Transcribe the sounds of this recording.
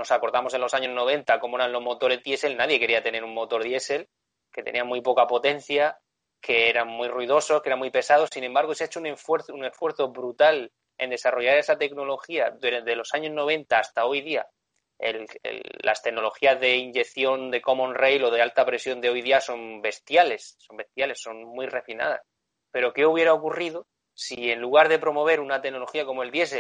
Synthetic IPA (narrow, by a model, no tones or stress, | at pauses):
no̞sako̞ɾðamo̞senlo̞saɲo̞zno̞β̞ẽ̞nt̪ako̞moeɾanlo̞ɦmo̞t̪o̞ɾe̞zðje̞se̞lnaðje̞ke̞ɾiat̪e̞ne̞ɾuŋmmo̞t̪o̞ɾðje̞se̞l | ke̞t̪e̞nĩamːujpo̞kapo̞t̪e̞n̟θja | ke̞eɾaŋmːwirwuiðo̞so̞skee̞ɾamːipe̞sað̞o̞sinembaɾɣ̞oseaet͡ʃounefwe̞ɾθune̞sfwe̞ɾθo̞βɾut̪al | e̞̰nd̪e̞saro̞ʝaɾe̞sat̪e̞kno̞lo̞xiaððe̞lo̞saɲo̞zno̞β̞e̞nt̪aːst̪ao̞jðia | ḛlḛlːa̰st̪e̞ɡno̞lo̞xiazðe̞iɲɟe̞kθjo̞nd̪e̞ko̞mõnrejlo̞ð̞e̞alt̪apɾe̞sjo̞nd̪eo̞jðiaso̞mbe̞st̪jale̞sːo̞mbe̞st̪jale̞sːo̞ŋmwire̞fina̰ð̞a̰s | pe̞ɾo̞ke̞uβje̞ɾao̞kuriðo | sie̞nluɣ̞aɾðe̞pɾo̞mo̞β̞e̞ɾunat̪eno̞lo̞xiako̞moe̞ld̪je̞s̬e